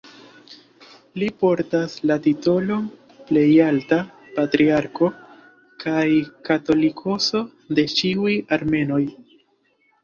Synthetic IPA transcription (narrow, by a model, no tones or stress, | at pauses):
lipo̞ɾtaslatito̞lo̞m | ple̞jalta | patɾiaɾko̞ | kʰajkato̞likʰo̞so̞ | de̞t͡ʃiujaɾme̞no̞j